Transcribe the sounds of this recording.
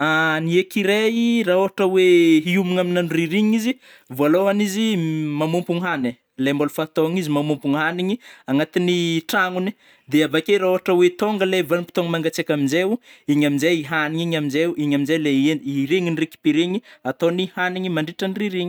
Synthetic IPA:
aniekiɾeiraoɦaʈ͡ʂəweiumiŋaminanriɾiɲizi | vualoanizimamumpuŋɦane | lejmbolufat̪oŋizimamumpuŋɦaniɲiaŋat̪iniʈ͡ʂaŋuni | d̪eavakeɾaoɦaʈ͡ʂəwet̪oŋɡəlevanipi̥t̪oŋəmaŋɡat͡sekʲaminzeuiɲaminzajiɦaniɲiɲamizeuiɲaminzajleiɾeŋinireki̥piɾeɲiat̪onihaniɲimaɳɖ͡ʐiʈ͡ʂaniriɾiɲi̥

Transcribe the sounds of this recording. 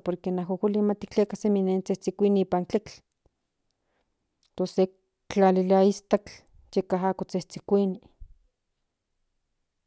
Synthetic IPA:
poɾkenaɦokʷilimat̪i̥kt͡ɬekaseminent͡seht͡sikʷiniipant͡ɬet͡ɬ | t̪ose | t͡ɬalilaist̪at͡ɬ | t͡ʃekaɦakot͡seht͡sikʷini

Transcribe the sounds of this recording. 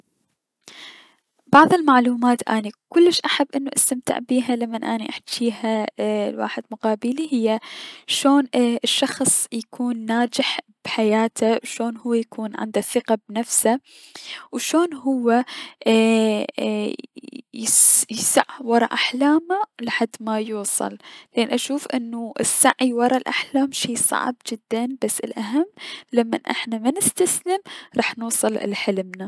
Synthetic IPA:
bɑʕðˤɪlmaʕluːmaːt̪ʔa̰ːnikʊlːɪʃʔaħabːʔɪnːuʔast̪amt̪ɪ̰ʕbiːɦalamːanʔaːniʔaħt͡ʃiːhalwa̰ːħɪd̪mʊqɑːbilihɪjːaʃoːnɪʃːɑxsˤjakʰuːnːaːd͡ʒɪħ | b̥ħajaːt̪ʰawʃoːnhʊwːajakʰuːnʕɪ̰nd̪aθɪqabnafsa | wʃoːnɦʊwːa | jɪsaʕwɑɾˤɑʔaħlaːmalɪħad̪ːmajuːsˤɨ̰llʔeːnʔaʃuːfʔɪ̰nːuʔɪsːaʕiwɑɾˤɑlʔaħlaːmʃiːsˤɑ̰ʕbd͡ʒɪd̪ːanbasːɪlʔaɦamːlamːa̰nʔɪ̰ħnamanɪst̪aslɪmɾˤɑːħnuːsˤɨlʔlħɪlmna

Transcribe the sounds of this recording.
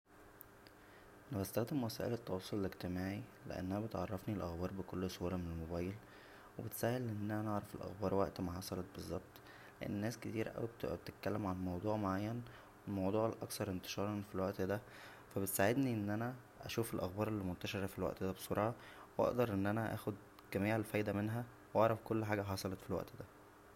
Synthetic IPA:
ʔænæbæst̪æxd̪emwæsæːʔelet̪ˤːɑwɑsˤːoleleɡt̪emaːʕilḛʔæ̰nːʔænæbet̪ʕɑrˤːɑfnilʔæxbɑːɾˤbekolːsˤuːɾˤɑmenelmobɑːjel | webet̪sæːhelʔenːæænæʔɑʕɾˤɑfelʔæ̰xbɑːɾˤwæ̰ʔt̪maħɑsˤɑlet̪̚bezˤːɑb̚t̪ˤ | leʔḛnːnːæːsket̪iːɾʔæ̰wibt̪t̪et̪̚kælːemʕalmɑwd̪ˤuːʕmoʕajːæn | welmɑwd̪ˤuːʕlʔɑkθɑɾˤʔent̪e̥ʃɑːɾˤɑnfilwæʔt̪d̪æ | fæbet̪saʕed̪niʔenːʔænæ | ʔæ̰ʃuːfelʔæxbɑːɾˤelːimont̪æʃeɾˤæfilwæ̰ʔt̪d̪æbesˤoɾˤɑːʕɑwʔɑ̰ʔd̪ɑɾˤʔenːʔænæʔæ̰ːxod̪ | ɡ̥æmiːʕelfæjd̪æmenɦæ | wʔɑʕɾˤɑfkolːħaːɡæħɑsˤɑlɑt̪filwæʔt̪d̪æ

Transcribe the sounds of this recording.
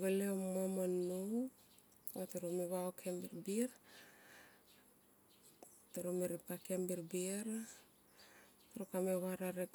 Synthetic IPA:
ɡaleomamano | ateɾomeβaokʰembiɾbiɾ | teɾomiɾepakembiɾbiɾ | taɾokameβaɾaɾek

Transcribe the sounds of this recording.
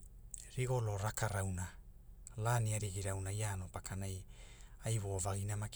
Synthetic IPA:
ɾiɡo̞lo̞ɾakaɾawna | laniaɾiɡiɾawnajaːno̞pakanajajβovaɡinamak

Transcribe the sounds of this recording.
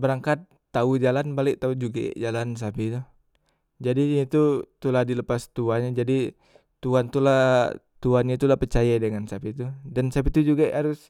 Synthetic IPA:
bəɾaŋkat̪ːaud͡ʒalanbalɛk̚t̪aud͡ʒuɡa̰d͡ʒalans̬apit̪u | d͡ʒadiɲat̪ut̪ulahdiləpast̪uanɲad͡ʒadi | t̪uant̪ulah | t̪uanɲat̪ulapərt͡ʃajadəŋansapit̪udansap̬it̪ud͡ʒuɡaaɾʊs

